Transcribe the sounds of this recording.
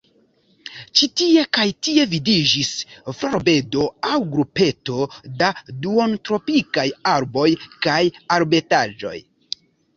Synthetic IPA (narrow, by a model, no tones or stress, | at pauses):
t͡ʃitie̞kajtie̞vidid͡ʒisfloɾbe̞do̞awɡɾupe̞to̞daduo̞ntɾo̞pikajaɾbo̞jkajaɾbe̞tad͡ʒo̞̰j